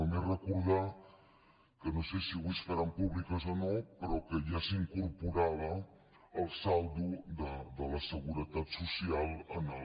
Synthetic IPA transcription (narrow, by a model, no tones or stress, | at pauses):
əmerəkuɾð̞a | kənosesiɣisfəɾampuβlikəzonopəɾɔkəʒasiŋkuɾpuɾaβ̞əː | lˠsald̪ud̪əd̪ələsəɣuɾət̪at̪susialˠəna